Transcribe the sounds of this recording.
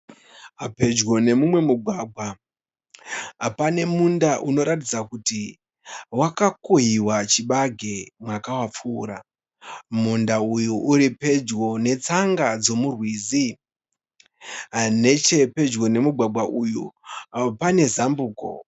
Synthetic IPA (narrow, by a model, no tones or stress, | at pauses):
ɦape̞d͡ʒɡo̞ne̞mumwe̞muɡʱwaːɡʱwa | ɦapane̞mundaʔuno̞ɾatid͡zakuti | wakakoɦiwat͡ʃiɓaɡʱe̞mwakawap͡fuːɾa̰ | mundaujuʔuɾipe̞d͡ʒɡo̞ne̞t͡saŋɡad͡zo̞murwiːzi | ne̞t͡ʃe̞pe̞d͡ʒɡo̞ne̞muɡʱwaɡʱwaʔuju | pane̞zambuːko̞̰